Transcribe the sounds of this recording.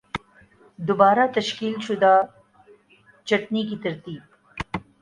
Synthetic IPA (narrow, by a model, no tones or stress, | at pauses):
d̪obaːɾat̪ɐʃkiːlʃʊd̪a | t͡ʃɐʈnik̬it̪ɐɾt̪iːb̚